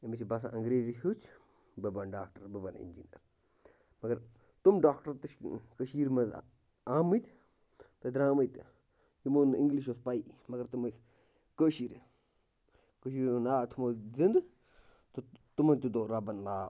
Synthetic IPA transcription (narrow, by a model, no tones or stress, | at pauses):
emit͡ʃʰibɐs̬a̰ʔɐŋɡɾeːzihut͡ʃʰ | bɐbɐnɖaːkʈɐɾbɐbɐnḭnd͡ʒḭnɐ̰ɾ | mɐɡɐɾ | t̪umɖaːkʈɐɾt̪ɨʃkəʃiːɾmɐz̰ | aːmɨt̪ | p̪ɐd̪ɾaːməjt̪ | jimoniŋɡliʃ̬ospaimɐɡɐɾt̪umɐs | kəʃiːɾ | kəʃiːɾnaːt̪ʰumozind̪ | t̪ot̪umɐnt̪ud̪oːɾɐbɐnlaː